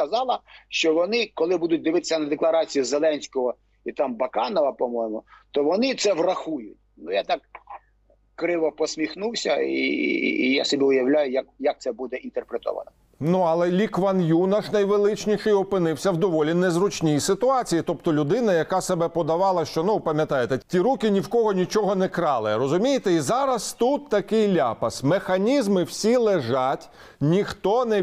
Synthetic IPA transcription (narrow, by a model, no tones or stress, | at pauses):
kɐzɑlˠɐʃt͡ʃɔʋɔnɪkɔlˠɪbud̪ʊt̚ʲd̪ɪʋɪt̪e̥sʲɐnɐd̪eklˠɐɾɑt͡sʲijizelˠɛnʲsʲkɔɦɔ | it̪ɑmbɐkɑnɔʋɐpɔmɔjmʊt̪ɔʋɔnɪt̪sɛʋrɐxujʊtʲnujat̪ɑk | kɾɪʋɔpɔsʲmʲixnuwsʲɐ̰ḭja̰sɔbʲiʊjɐwlʲajʊjakjɐk̚tsɛbud̪ɛʔint̪erpɾet̪ɔ̰ʋɐ̰nɔ | nuɐlˠɛlʲikʋɐnjunɐʃnɐjʋelˠɪt͡ʃnʲiʃɪjɔpɪnɪwsʲɐwd̪ɔʋɔlʲinɛzrʊt͡ʃnʲijisɪt̪ʊɑt͡sʲijit̪ɔpt̪ɔlʲʊd̪ɪnɐjɐkɑsebɛpɔd̪ɐʋɑlˠɐʃt͡ʃɔnupɐmʲjɐt̪ɑjet̪ɛtʲiɾukʲɪnʲiwkɔɦɔnʲit͡ʃɔɦɔnɛkɾɑlˠerɔzʊmʲijet̪ɛizɑɾɐst̪ut̪ːɐkɪjlʲapɐsmexɐnʲizmɪwsʲilˠeʒɑtʲ | nʲixt̪ɔnɛ